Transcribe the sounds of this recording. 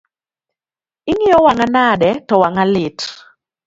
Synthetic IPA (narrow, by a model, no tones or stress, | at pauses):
ɪŋɪɔwaŋanadɛtɔwaŋalɪt